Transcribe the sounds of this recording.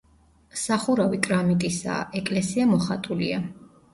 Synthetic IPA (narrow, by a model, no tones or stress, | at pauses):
saχuɾavikʼɾamit̪ʼisa̰ːʔɛkʼlɛsiamɔχat̪ʼulia